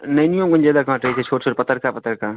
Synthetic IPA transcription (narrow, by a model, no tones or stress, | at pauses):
nəjnijõmkənd͡ʒaːd̪akãːʈɾəɦit͡ʃʰɛt͡ʃʰoːʈt͡ʃʰoːʈpət̪ːəɾkapət̪əɾka